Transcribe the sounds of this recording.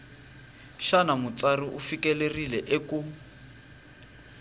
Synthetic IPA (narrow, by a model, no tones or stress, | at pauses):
ʃanamut͡sariʔṵfikɛlerilɛʔeku